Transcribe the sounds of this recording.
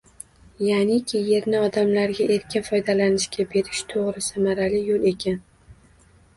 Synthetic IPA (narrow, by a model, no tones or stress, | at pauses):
janɪkʲʰɪje̞ɾnɪɒd̪amlaɾɡʲaʔe̞ɾkʲʰɪnfɒjd̪alanɪʃkʲabe̞ɾɪʃt̪ʰoʁɾɪsamaɾalɪjolˠe̞kʲʰan